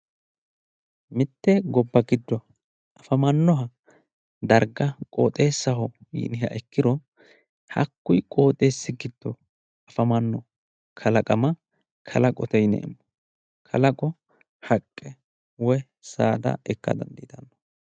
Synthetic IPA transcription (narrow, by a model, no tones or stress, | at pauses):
mɪt̪ːɛɡɔbːɐɡɪd̪ːɔ | ɐfɐmɐnːɔɦɐ | d̪ɐɾɡɐkʼo̰ːt̪ʼe̞ːsːɐɦɔjḭːnɪɦɐ̰ʔɛkːɪd̪ɔ | hɐ̰kːʊjkʼo̞ːt̪ʼe̞ːsːɪɡɪd̪̥ːɔ | ɐfɐmɐnːɔ | kʰɐlɐkʼɐmɐ | kʰɐlɐkʼɔt̪ɛjnḛʔɛmːɔ | kʰɐlɐkʼɔ | hɐkʼːɛ | wɔj | saːd̪ɐ̰ɛkːɐ̰d̪ɐ̰nd̪ḭːd̪ɐnːɔ̥